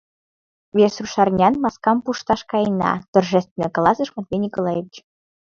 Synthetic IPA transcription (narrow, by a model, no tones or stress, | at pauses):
βeʃsruʃɑrnʲɑnmɑskɑmpuʃt̪ɑʃkɑjnɑ̰t̪orʒɛst̪vʲĕnəklɑsə̆ʃmɑt̪vʲenʲikolˠɑjeβʲit͡ɕ